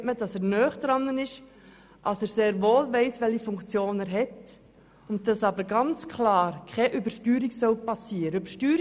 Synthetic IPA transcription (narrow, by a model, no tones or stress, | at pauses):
tmədɑsɛːɾnœːχd̪̥ɾɑnənɪʃ | ʔɑsɛːɾseːɾʋoːlʋɛɪsʋɛlhifʊŋkt͡sjoːnɛːɾɦɛt | ʊntdɑsɑbəɾɡɑnt͡skʰlɑːɾkʰχɛʔʏbəɾʃtyːɾiɡsœʊpɑsiːɾəøbəʃtyːɾ